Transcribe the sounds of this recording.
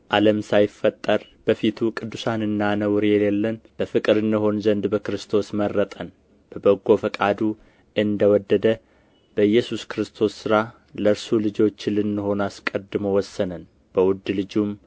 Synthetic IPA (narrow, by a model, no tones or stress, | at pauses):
ʔaləmsajɪfːət̪ʼːəɾ | b̥əfit̪ʰukʼɨd̪ːusanɨnːanəwɾɛlelːənb̥əfɨkʼɨɾɨnːɨɦo̞nzənd̪bəkɾɨst̪ʰo̞smərːət̪ʼən | b̥əbəɡːo̞fəkʼad̪u | ʔɨnd̪əwɔd̪ːəd̪ə | b̥əjːɛsuskɾɨst̪ʰo̞sːɨɾa | ləɾsulɨd͡ʒo̞t͡ʃːlɨnːɨho̞naskʼəd̪ːɨmowɔsːənən | b̥əwʊd̪ːlɨd͡ʒum